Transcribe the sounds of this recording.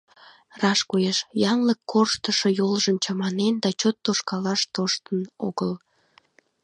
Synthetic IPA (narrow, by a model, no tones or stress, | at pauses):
rɑʃkujeʃjɑŋləkːorʃt̪əʃojolʒəmt͡ɕɑmɑnend̪ɑt͡ɕot̪ːoʃkɑlɑʃt̪oʃt̪əno̰ɣəl